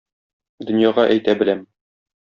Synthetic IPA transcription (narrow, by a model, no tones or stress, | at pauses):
d̪ɵ̆njɑʁɑʔæjt̪æbɘ̆læm